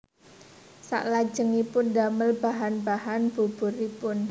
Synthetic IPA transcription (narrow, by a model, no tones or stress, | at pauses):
sa̰ʔlḁd͡ʒəŋipʊndaməlbaɦanbaɦanb̥ub̥ṳɾipʊn